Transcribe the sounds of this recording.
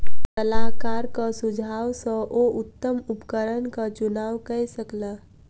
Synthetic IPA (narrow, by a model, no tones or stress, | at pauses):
t̪əlakaːɾkasʊd͡ʒʱaːwsə̃ʔoʊt̪ːəmʊpkəɾənkat͡ʃʊnaːwkəsəklaː